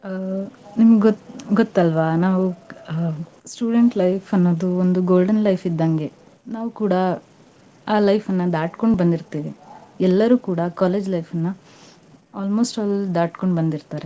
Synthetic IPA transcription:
nimɐɡɡɔt̪ːɐlʋanaːʋu | sʈuːɖeɳʈlɐjfɐnːoːd̪uond̪uɡoːlɖɐnlɐjfʰid̪ːɐŋɡe̞ | naːʋukuːɽɐ | aːlɐjfɐnːɐd̪aːʈkoɳɖbɐnd̪iɾt̪iːʋiɛlːɐɾuːkuːɽɐkaːleːd͡ʒlɐjfʰɐnːɐ | aːlmo̞ːsʈaːld̪aːʈko̞ɳɖbɐnd̪iɾt̪aːɾe

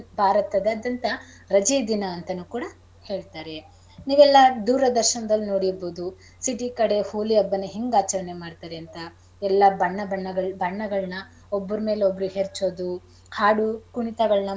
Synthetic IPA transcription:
bʱaːɾɐt̪ɐd̪ɐɐd̪ɐnt̪ɐ | ɾɐd͡ʒid̪inɐːnt̪ɐnukuːɽɐ | he̞ːɭt̪aːɾe̞ | niːʋɛlːɐd̪uːɾɐd̪ɐɾʃɐnɐd̪ɐlːino̞ːɽiboːd̪u | siʈikɐɽe̞huːliɐbːɐnːɐɦiŋɡaːt͡ʃɐɾɐne̞maːɖt̪aːɾeɐnt̪ɐ | ɛlːɐbɐɳːɐbɐɳːɐɡɐɭbʱɐɳːɐɡɐɭnɐ | obːɐɾume̞ːleobːɐɾuɦeɾt͡ʃoːd̪u | haːɽukuɳit̪ɐɡɐɭnɐ

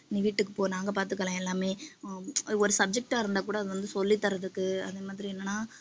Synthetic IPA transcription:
ɪniʋiːʈːɯkːɯpoːnaːŋɡɐpaːɾt̪ɯkːɐlãːɛlːaːmeː | ɔɾɯsɐb̚d͡ʒɛk̚ʈaːɪɾɯnd̪aːkuːɽɐːðɯʋɐnd̪ɯsɔlːit̪ːɐɾɐðɯkːɯɐðeːmaːðɪɾiɛnːɐnːaː

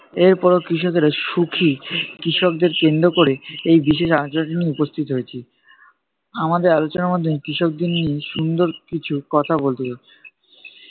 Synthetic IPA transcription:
eɾpɔɾokɾiʃɔkeɾaʃukʰikɾiʃɔk̚d̪eɾkend̪ɾokoɾeejbiʃeʃad͡ʑoaʈiniupost̪ʰit̪oɦojet͡ɕʰi | amad̪eɾalot͡ɕonaɾmɔd̪ʱːoekɾiʃɔk̚d̪inːieʃund̪oɾkit͡ɕʰukɔt̪ʰabolt̪ee

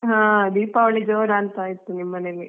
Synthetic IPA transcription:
ɦãːd̪iːpaːʋɐɭid͡ʒoːɾaːnt̪aːjit̪ːunimːɐneli

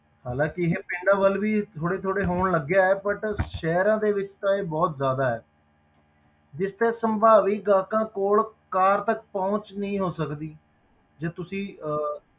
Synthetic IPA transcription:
haːlãːkɪɦeːpɪɳɖãːʋəlʋiːt̪ʰoːɽeːt̪ʰoːɽeːɦoːɳləɡːjaːɛːpəʈʃɛːɾãːd̪eːʋɪt͡ʃt̪ãːeːbɔːt̪zjaːd̪aːɦɛː | d͡ʒɪst̪eːsəmbʱaːʋiːɡãːkãːkoːɭkaːɾt̪ək̚pãːʊt͡ʃnəĩːɦoːsəkd̪iː | d͡ʒeːt̪ʊsĩː

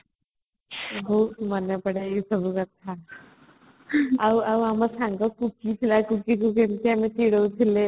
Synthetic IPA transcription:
ɦoumanjapəɽeisəbuɡət̪ʰa | auawaməɾsaŋɡəkukiːt̪ʰilakukiːkukemt̪iamit̪iɽəwt̪ʰile

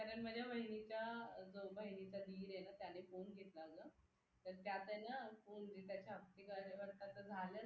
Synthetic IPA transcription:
kaɾəɳməd͡ʑʱjaməɦinit͡ɕad͡zobəɦinit͡sad̪iːɾjenat̪janefonɡʱet̪laːɡə | t̪əɾt̪jat̪ənafond͡ʑet̪jat͡ɕaək̚t̪ikaʋəɾt̪at̪əd͡zʱalə

